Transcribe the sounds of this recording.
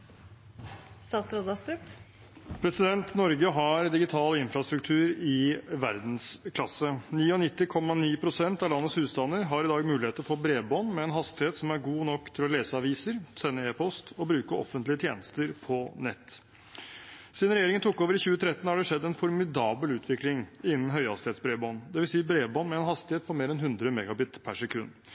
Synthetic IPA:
sɑst̪ɾod̪ɑst̪ɾʉp | pʰɾɛsɪd̪ɛnt̪nɔɾɡəɦɑɾd̪ɪɡɪt̪ʰɑːləɪnfɾɑst̪ɾʉk̚t̪ʰʉːɾɪʋæɾd̪n̩skʰlɑsəniːɔnɪt̪ːɪkʰɔmːɑniːpʰɾʊsɛnt̪ɑʋlɑnːətshʉːst̪ɑnd̪əɾɦɑɾɪd̪ɑːɡmʉːlɪheːt̪əɾfoːbɾeːbɔnmɛɛnɦɑst̪ɪheːt̪sɔmæɾɡuːnɔkːt̪ʰɪlɔleːsəɑʋiːsəɾsɛnːəeːpʰɔst̪ɔbɾʉːkəʔɔ̰fənt̪lɪət̪ʰjḛːnəst̪əɾpʰɔnɛt̪ː | sɪnɾɛjeːɾɪŋənt̪ʊkːoːʋəɾɪçʉːət̪ʰɾɛt̪ːn̩hɑɖɛʂɛd̪ːɛnfɔɾmɪd̪ɑːbəlʉːt̪ʰʋɪklɪŋɪnːn̩ɦœʏhɑst̪ɪhet̪sbɾeːbɔnd̪ɛʋɪlsiːbɾeːbɔnːmɛɛnɦɑst̪ɪheːt̪̚pʰɔmeːɾɛnɦʉnd̪ɾəmɛɡɑbɪt̪pʰæʂɛkʰʉnː

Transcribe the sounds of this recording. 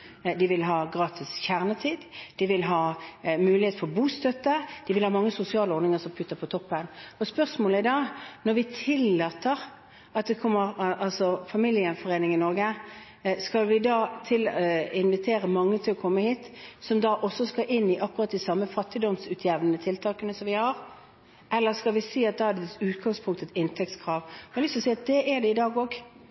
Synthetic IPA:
d̪ɪʋɪlɦɑːɡʁɑːt̪ʰɪsçæʁnət̪ʰiːd̪d̪̥ɪʋɪlɦɑːmʉːlɪheːt̪fɔʁbuːst̪œt̪ːəd̪̥ɪʋɪlhɑːmɑŋːəsʊsɪɑːləɔʁnɪŋəsɔmpʰʉt̪ːəpʰɔt̪ʰɔpːənɔspœʁsmoːləæd̪ɑːnɔɾʋɪt̪ʰɪlːɑːt̪əʁ | ɑt̪̚d̪ɛkʰɔmːəʁʔɑlsɔfɑmiljɪəfɔʁeːnɪŋɪnɔʁɡə | skɑlʋɪd̪ɑːt̪ʰɪlːɪnʋɪt̪ʰeːɾəmɑŋːət̪ʰɪlɔkʰɔmːəhiːt̪sɔmd̪ɑːʔɔsɔskɑʔɪnːɪʔɑkːʊʁɑt̪̚ːd̪ɪsɑmːəfɑt̪ːɪd̪ɔmsʉːt̪ʰjæʋnənət̪ʰɪlt̪ʰɑːkənəsɔmʋɪhɑɾ | ʔɛlːəskɑlʋɪseːɑt̪̚d̪ɑæd̪ɛʉːt̪ɡɑŋspʰʊŋkt̪ət̪ɪnt̪ʰɛk̚t̪skʰʁɑːʋmɛlʏst̪ɔsɛːɑt̪̚d̪ɛʔɛd̪ɛɪd̪ɑːɡoːɡ

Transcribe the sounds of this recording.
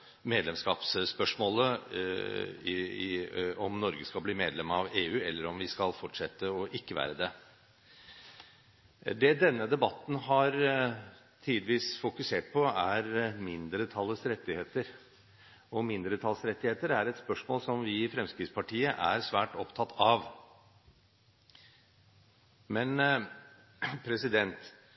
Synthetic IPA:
meːd̪lɛmskɑːpsspœʂmoːlə | ɔmnɔɾɡəskɑlbliːmeːd̪lɛmɑʋeːʉːɛlːəɾɔmʋɪskɑlfɔʈʂɛt̪ːəɔʔɪkːəʋæ̰ːɾəd̪ɛ | d̪ɛd̪ɛnːəd̪ɛbɑt̪n̩ɦɑɾ | t̪ʰiːd̪ɪʋiːsfʊkʉseːʈ̚pʰɔæɾmɪnd̪ɾət̪ʰɑlːəsɾɛt̪ːɪheːt̪əɾ | ɔmɪnd̪ɾət̪ʰɑləsɾɛt̪ːɪheːt̪əɾæɾɛt̪spœʂmoːlsɔmʋɪːfɾɛmskɾɪːt̪spʰɑʈʰiːəʔæ̰ɾsʋæːʈɔpt̪ʰɑt̪ʰːɑʋ | mɛn | pʰɾɛsɪd̪ɛnt̪

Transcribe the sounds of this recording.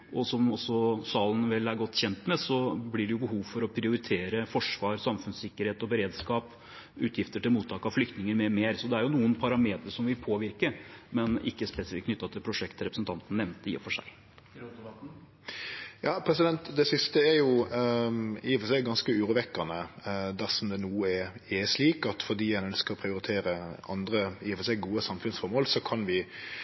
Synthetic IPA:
ʔɔsɔmɔsɔsɑːlənʋɛlːæɾɡɔt̪ːçɛnt̪mɛsɔblɪɖɛjʊbəɦuːʋfɔɾɔpʰɾɪʊɾɪt̪ʰeːɾəfɔʂʋɑːɾsɑmfʉnssɪkːəɾheːt̪ɔbəɾeːd̪skɑːp | ʉːt̪ʰjɪft̪əʈɪlmuːt̪ʰːɑːkɑʋflʏk̚t̪nɪŋəɾmɛmeːɾsɔd̪ɛæɾjʊnuːənpʰɑɾɑmeːt̪ɾəʂɔmʋɪlpʰoːʋɪɾkəmɛnɪ̰kːəspɛsɪkʰːnʏt̪ːɑt̪ʰɪlpʰɾʊʂɛkt̪ʰɾɛpɾəsnt̪ʰɑnt̪ən̩ːɛʋnt̪ɪ̰ə̰fɔʂæ̰ɪ | jɑːpʰɾɛsɪd̪ɛnt̪d̪ɛsɪst̪əɛɾjʊ | iːfɔsɛɪɡɑnskəʉːɾʉʋɛkːɑnəd̪æʁsɔmd̪ɛnuːəɛɾɛʂliːkɑt̪fɔd̪iːjænœnskəɾɔpʰɾɪʊɾɪt̪ʰeːɾəɑnd̪ɾəiːɔfɔsɛɪɡuːəsɑmfʉnsfɔɾmoːlsɔkʰɑnʋɪ

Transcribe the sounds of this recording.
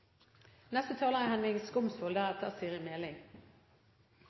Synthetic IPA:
nɛst̪ət̪ʰɑːləʁɪhɛnɪŋskʊmsfoːld̪æʁɛt̪ʰəʁsiːəʁɪmeːlɪŋ

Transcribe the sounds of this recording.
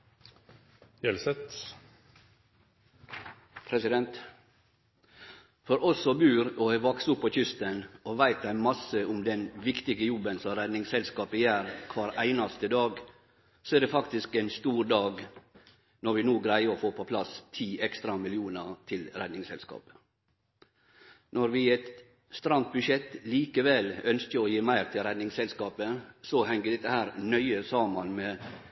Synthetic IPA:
jɛlsɛt̪ | pʰɾɛsɪd̪ɛnt̪ | fɔɾɔsɔbʉːɾɔɛʋɑksʊpːɔçʏst̪ənɔʋæɪt̪d̪æɪmɑsːəʔʊmd̪ɛnʋɪkt̪ɪɡəjɔbːənsɔɾæd̪nɪŋsɛlskɑːpəjæːɾkʰʋɑːɾæɪnɑst̪əd̪ɑːɡ | sɔɛːd̪ɛfɑkt̪ɪskɛnst̪uːɾd̪ɑːɡ | nɔɾʋɪnuːɡɾæɪəɾɔfoːpʰɔpʰlɑst̪ʰiːʔɛkst̪ɾɑmɪlɪuːnəɾt̪ʰɪlɾæd̪nɪŋsɛlskɑ̰ːpə̥ | nɔɾʋɪɛt̪ | st̪ɾɑnt̪̚bʉʃɛt̪ːliːkəʋɛlœnskəɾɔjiːmæɪɾt̪ʰɪlɾɛd̪nɪŋsɛlskɑːpəsɔhɛŋɡəd̪ɛt̪ːəhæːɾnœʏəsɑːmɑnmɛ

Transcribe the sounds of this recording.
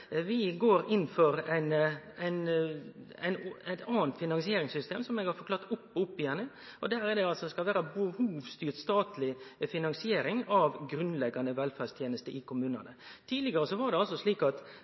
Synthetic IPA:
ʋɪɡoːɾɪnfɔɾæɪnæɪn | æɪnæɪt̪ɑːnt̪fɪnɑnsɪeːɾɪŋsʏst̪ʰḛːmsɔmɛɡɑɾfɔklɑːt̪ːʊpːʊpːɪjɛnːɪ | ʔɔd̪æːɾɛd̪ɛɑlsɔskɑlʋæːɾɑbəhuːʋst̪yːt̪st̪ɑːt̪lɪfɪnɑnsɪeːɾɪŋɑʋɡɾʉnlɛɡːɑnəʋɛlfæst̪ʰjeːnəst̪əʔɪkʰʊmʉːnɑ̰nət̪ʰiːd̪lɪɡəɾəsɔʋɑɾɖ̪ɛɑlsɔʂɭiːkɑt̪

